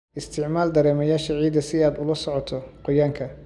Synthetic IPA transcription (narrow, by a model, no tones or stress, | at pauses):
ʔɪst̪ʰɪʕmaːld̪ɐɾɛːmɐjaːʃɐʕiːd̪ɐsɪaːd̪ʊlɐsɔʕɔt̪ʰɔqɔjaːŋkʰɐ